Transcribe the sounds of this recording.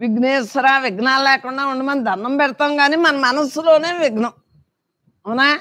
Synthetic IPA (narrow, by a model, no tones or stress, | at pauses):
ʋiɡneːsɐɾaːʋiɡnaːllɛːkuɳɖaːuɳɖimɐnd̪ʱɐɾnːɐmpɛɽɐt̪aːŋɡaːniːmɐnɐmɐnɐsːulo̞ːne̞ːʋiɡnɐm | ɐnaː